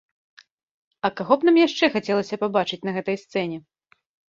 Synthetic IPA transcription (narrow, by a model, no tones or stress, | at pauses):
ɐkaɣɔpnamjaʂt͡ʂɛxat͡sʲɛlˠɐsʲɐpabat͡ʂɨt͡sʲnɐɣɛt̪ɐjst̪sɛnʲɛ